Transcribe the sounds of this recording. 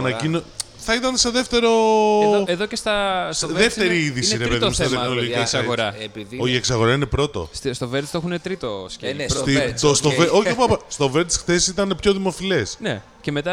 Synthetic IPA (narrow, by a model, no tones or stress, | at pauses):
nɐcino | θɐit̪ɐnseðeft̪e̞ɾo̞eðocest̪ɐssðeft̪e̞ɾiiðisiɾepeðmsɐenolojesɐɣoɾɐioieksɐɣo̞ɾɐine̞pɾo̞t̪o̞̰sst̪oveɾt̪stoexunet̪ɾit̪oscest̪it̪ost̪oveoçpɐpɐst̪o̞veɾt̪sxθesit̪ɐne̞pço̞ðimo̞file̞sne | ce̞met̪ɐ